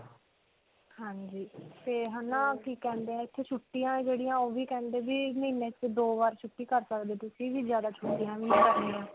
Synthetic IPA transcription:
hãːɲd͡ʒiːt̪eːɦənãːkiːkɛ̃ːnd̪eːɛ̃ːɪt̪ʰːeːt͡ʃʰʊʈːijãːd͡ʒeːɽijãːoːʋiːkɛ̃ːnd̪eːbiːmiːneːt͡ʃd̪oːʋaːɾt͡ʃʰʊʈːiːkəɾsəkd̪eːt̪ʊsĩːd͡ʒiːzjaːd̪aːt͡ʃʰʊʈːijãːʋiːkəɾniːãː

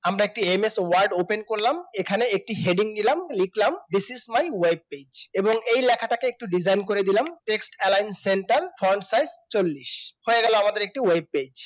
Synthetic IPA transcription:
amɾaek̚ʈiemeswaɾɖopenkoɾlamekʰaneek̚ʈiɦeɖiŋnilamlikʰlamd̪isizmajweb̚ped͡ʑeboŋejlɛkʰaʈakeek̚ʈuɖid͡ʑʱajnkoɾed̪ilamʈeksʈɛlajnsenʈaɾfʰɔnsajst͡ɕolːiʃhoeɡɛloamad̪eɾek̚ʈiweb̚ped͡ʑ

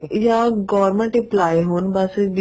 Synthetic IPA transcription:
jaɡɔːɾmə̃ɳʈiplaːeɦoːnbɐsd̪

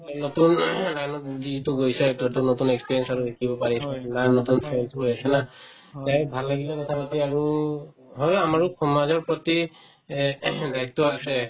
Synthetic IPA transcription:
notunnanɔditʊɡojsɛtɔtɔnotunɛkspiɹiɛnsaɹudekʰibɔpaɹisɛnanotunpʰnsoasɛna | tajbʱalːaɡilɛkɔtʰapatiaɹu | ɦɔjamaɹukɔmazɔɹpɹɔti | dajtːɔasɛ

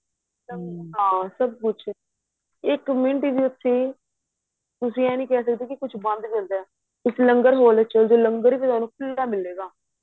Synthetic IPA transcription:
ləɦãːsəb̚kʊt͡ʃʰ | ɪkmɪɳʈiːd̪iːʊt̪ʰːiː | t̪ʊsĩːɛ̃ːnĩːkɛːsək̚d̪eːkɪkʊt͡ʃʰbə̃nd̪d͡ʒə̃nd̪ɛː | ɪsləŋɡəɾɦoːlɛt͡ʃəld̪oːləŋɡəɾiːpiːt̪waːnuːpʰʊldaːmɪlːeːɡaː

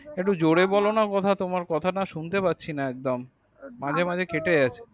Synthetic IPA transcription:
ek̚ʈud͡ʑoɽebɔlonakɔt̪ʰat̪omaɾkɔt̪ʰanaʃunt̪epatːɕʰinaɛk̚d̪omː | ãd͡ʑʱemãd͡ʑʱekeʈeat͡ɕʰe̥

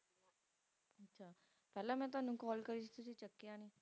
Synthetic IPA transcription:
ətːʃʰaː | pɛːlãːmɛ̃ːt̪̬ʊaːnũːkɔːlkəɾiːsit̪ʊsĩːt͡ʃəkːjaːniː

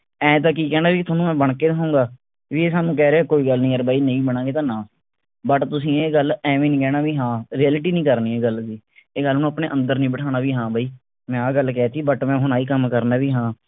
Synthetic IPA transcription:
ɛ̃ːt̪̬ãːk̬iːkɛːnaːbiːt̪ʰoːnũːmɛ̃ːbəɳkeːd̪ɦoːŋɡaː | ʋiːeːsaːnũːk̬ɛːɾeːɛːkoːiːɡəlnĩːəɾbaːiːnə̃ĩːbəɽ̃ãːɡeːt̪ãːnãːsiː | bəʈt̪ʊsĩːeːɡəlɛ̃ːʋĩːnĩːkɛːnaːʋiːɦãːɾiɛːlɪʈiːnĩːkəɾniːeːɡəld͡ʒiːeːɡəlnõapneːʔə̃nd̪əɾnĩːbəʈʰaːnaːʋiːɦãːbʱaːiː | mɛ̃ːaːɡəlkɛːt̪iːbəʈmɛ̃ːɦʊñaːiːkəmkəɾnaːʋiːɦãː

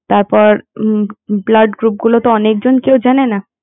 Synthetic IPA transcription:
t̪aɾpɔɾ | blaɖɡɾup̚ɡulot̪oɔnek̚d͡ʑonkewd͡ʑanena

